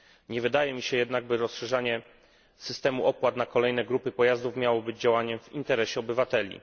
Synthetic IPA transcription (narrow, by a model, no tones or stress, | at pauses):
ɲɛvɘd̪ajɛmʲiɕɛjɛd̪naɡ̚bɘɾɔsʂɛʐaɲɛ | sɘst̪ɛmuɔpwat̪nakɔlɛjnɛɡɾupɘpɔjazd̪ufmʲjawɔbɘd͡ʑd͡ʑawaɲɛmvint̪ɛɾɛɕɛɔbɘvat̪ɛlʲḭ